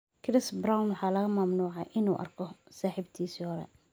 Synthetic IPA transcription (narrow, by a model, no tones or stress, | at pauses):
kʰɾɪsbɾawnwɑħɑːlɐɣɐmɐmnuːʕɑjʔɪnṵːʔɐ̰rkʰɔsaːħiːbt̪ʰiːsiːhɔɾɛ̰